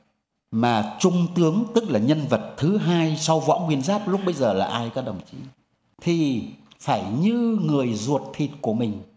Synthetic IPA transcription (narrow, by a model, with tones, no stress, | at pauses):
maː˨˩t͡ɕʊ˧ŋ͡mt̪ɨ˨˦əŋt̪ɨ˦˥k̚laː˨˩ɲə˧nvə˨˩t̚t̪ʰɨ˨˦ɦaː˧jsa˧wvɔ̰˧˥ŋwi˧˩ənzaː˦˥p̚lʊ˦˥k͡p̚ɓə˧jzəː˨˩laː˨˩ʔaː˧jkɔː˦ɗə˨˩wŋ͡mt͡ɕi˨˦ | t̪ʰi˨˩faː˧˩jɲɨ˧ŋɨ˨˩əjzu˨˩ət̚t̪ʰi˨˩t̚ku˧˩əmï˨˩ŋ̟